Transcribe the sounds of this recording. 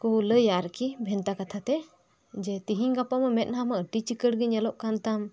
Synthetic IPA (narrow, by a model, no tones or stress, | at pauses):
kuləjaɾkibʱɛnt̪akat̪ʰat̪ɛ | d͡ʒɛt̪iɦiɲɡapaməmɛt̪̚namaəʈit͡ʃikəɽɡiɲɛlɔʔkant̪am